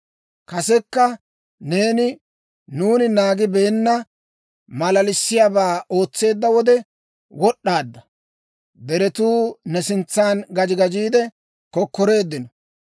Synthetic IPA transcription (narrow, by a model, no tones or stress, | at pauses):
kɐsɛkːɐ | ne̞ːnɪ | nuːnɪnaːɡɪbeːnːɐ | mɐlɐlɪsːɪjaːbaːo̞ːt͡sːe̞ːd̪ːɐwɔd̪ɛ | wɔɗːaːd̪ːɐ | d̪ɛɾɛt̪uːnɛsɪnt͡sːaːnɡɐd͡ʒɪɡɐd͡ʒiːd̪ɛ | kɔkːɔɾe̞ːd̪ːɪnɔ